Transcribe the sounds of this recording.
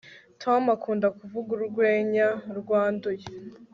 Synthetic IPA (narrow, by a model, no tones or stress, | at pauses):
tʰomakuːndakuvuɡuɾuɾɡwe̞ːɲaɾɡwaːnduje